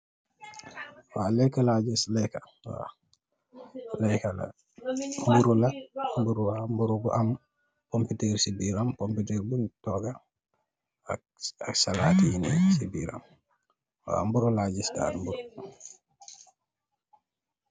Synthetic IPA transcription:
walɛkːalaɟislɛka | wa̰ | lɛkala̰ | mbuɾulambuɾuwambuɾubuʔam | komputɛɾsibiɾamkompitɛɾbuntɔɡa | aksala̰tijinɛ̰sibiɾa̰m | wa̰mbuɾulaɟisda̰mbuɾu

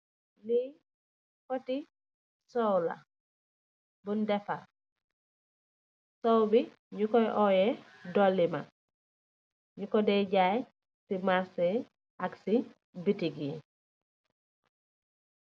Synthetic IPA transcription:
li | koti | sɔwla̰ | bundɛfa | sowbi | ɲukɔjʔɔjɛ | dɔlːima̰ | ɲukɔdɛɟaj | simase | ʔaksi | bitiɡi

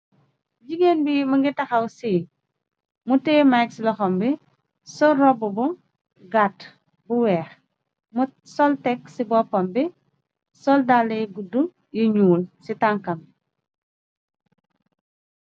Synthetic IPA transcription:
ɟiɡenbimɐŋɡitɐxɐwsi | mutɛːmajksilɔxɔmbi | sɔrɔbubɔ | ɡat | buwɛːx | m | sɔltɛksibɔpɔmbi | sɔldalːejɡudu | jiɲuːlsitaŋkɐm

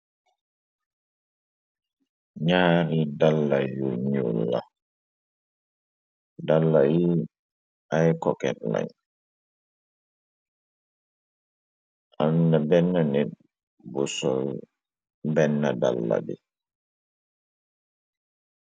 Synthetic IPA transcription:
ɲaːɾidalːajuɲṵlːa̰ | dalːaji | ajkɔkɛtla̰ɲ | ʔanːabɛnːaned̚ | bɔsɔl | bɛnːada̰lːa̰bɛ

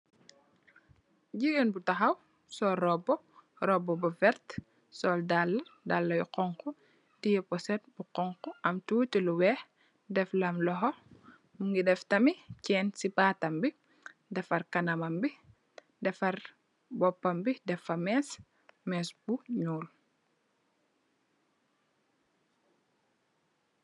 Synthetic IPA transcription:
ɟiɡenbutɐxɐw | sɔɾɔbɔ | ɾɔbːɔbɐfɛɾt | sɔːldalːɐdalːɐjuqɔŋku | tijɛpɔsɛt̚buqɔŋkuʔɐmtuːtiluwɛːx | dɛflɐmlɔɦɔ | muŋɡidɛftɐmicɛːnsibaːtɐmbi | dɛfɐrkɐnɐmɐmbi | dɛfɐr | bɔpːɐmbidɛfɐmɛs | mɛːsbuɲuːl

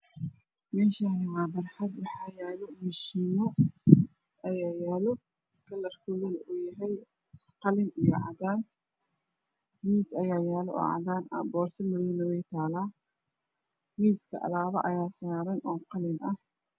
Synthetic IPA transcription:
mɛːʃanɪmaːbɐrħɐd̪wɑħɑːjɛːlɔmɪʃiːnɔ | ɐjaːjɛːlɔ | kʰɐlɐrkʰɔɣɐlʊjɐɦɛj | qɑlɪnijɞ̰ʕɑdaːn | miːsɐjaːjaːlɔɔ̰ːʕɑ̰ðaːnɐ̰bɔːrsɐlɐðuːnɐwɛjt̪ʰaːlaː | miːskʰɐ̰ʔɐ̰laːβɐʔɐjaːsaɾɛnʔɔːqɑlɪnɐh

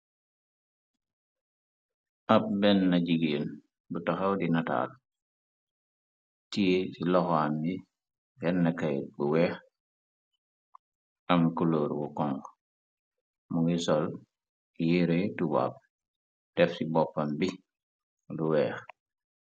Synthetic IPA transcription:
ʔɐp̚bɛnːɐɟiɡeːn | butɐxɐwdinata̰ːl | tijesilɔxami | bɛnːɐkɐjbuwɛːx | ʔɐmkuloːɾɡukɔŋɡ | muŋɡisɔl | jiɾejtuba̰ːp̚ | d̥ɛfsibɔpːɐmbi | luwɛːx

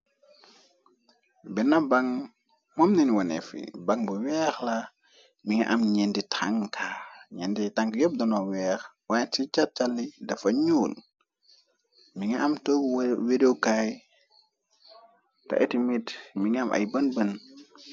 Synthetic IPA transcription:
bɛnɐbɐŋ | mɔmninwɐnɛ̰fḭbaŋbəwɛːxla | miŋiʔamɲɛnditʰaŋkʰaɲɛnditaŋkjɔp̚dɔnɔwɛːx | wajtit͡ʃat̚t͡ʃalːidɐfɐɲuːl | miŋiʔɐmtowidewkaj | tɐ̰ʔɛtimitmiŋamʔɐ̰jbɐnbən

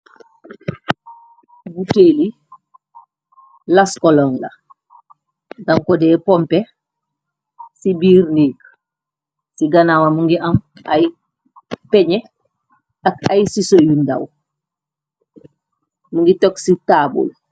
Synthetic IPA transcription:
buteːli | laskɔlɔːŋlɐ | ɡɐŋkɔdɛːpɔmpɛ | sibiːɾnik | siɡɐnawamuŋɡiʔɐmaj | pɛɲɛ | ɐkajsisojundɐ̰w | muŋɡitɔksitabṵl

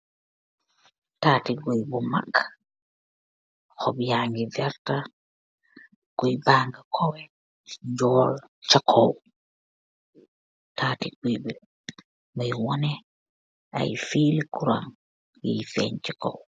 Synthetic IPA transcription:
taːtiɡujbɔma̰kʰːḁ | hɔbjaŋɡivɛɾta | ɡ̥ujbaːŋɡakʰɔwɛ | ɲd͡ʒɔːl | t͡ʃakʰɔw | taːtiɡujbɛ | majwɔnɛ | ʔa̰jfilikuɾa̰ŋ | jḭjfɛ̰nt͡ʃɛkɔ̰w

